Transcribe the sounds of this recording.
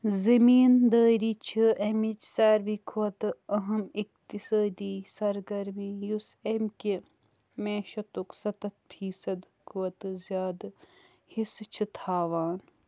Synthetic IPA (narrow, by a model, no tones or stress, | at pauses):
zɐmiːnd̪əːɾiːt͡ʃʰiʔɐmit͡ʃsaːɾʋikʰuɐt̪ɨɐɦɐmikt̪isaːd̪iːsɐɾɡɐɾmiːjusemki | meːʃɐt̪uksɐt̪ɐt̪̚fʰiːsɐd̪ | kʰuɐt̪ɨzʲjaːd̪ | hist͡ʃʰɨt̪ʰaːʋaːn